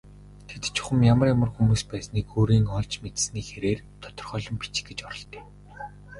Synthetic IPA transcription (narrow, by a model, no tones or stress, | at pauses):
t̪ʰet̪t͡ɕʰʊ̥χə̆mjamə̆rjamə̆rxumuːspæːsniːkoːɾiːŋɔɮt͡ɕmet̪sniːxeɾeːr | t̪ʰɔ̥t̪ɞ̆rχœːɮɞ̆mpi̥t͡ɕ̆ɡĕt͡ɕɔɾɞ̆ɮt̪iː